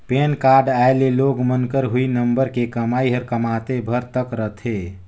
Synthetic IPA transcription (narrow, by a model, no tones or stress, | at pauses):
penkaɾɖaeleloɡmənkəɾɦuinəmbəɾkekəmaiɦəɾkəmat̪ebʱəɾt̪əkɾət̪ʰe